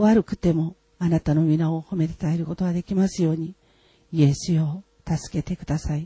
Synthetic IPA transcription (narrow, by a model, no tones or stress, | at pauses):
βaɾɯ̟kɯ̟̥t̪e̞mo̞ | anat̪ano̞mʲinao̞ho̞me̞t̪ḁt̪ae̞ɾɯ̟ko̞t̪o̞ɡad̪e̞kʲimasɨjo̞ːɲ̟i | ie̞sɨo̞ | t̪asɨ̥ke̞t̪e̞kɯ̟d̪asai